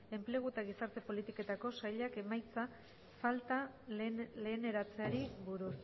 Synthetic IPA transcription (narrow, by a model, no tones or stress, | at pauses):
e̞mple̞ɣ̞uet̪aɣisaɾt̪e̞po̞lit̪ike̞t̪ako̞sajʎake̞majt͡sa | falt̪a | le̞ːne̞ɾat͡seaɾiβuɾus